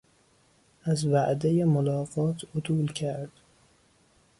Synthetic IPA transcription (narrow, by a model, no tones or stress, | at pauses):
æzvæʔd̪ejemolɒːɢɒːt̪ʰot̪ʰuːlcʰæɾd̪̥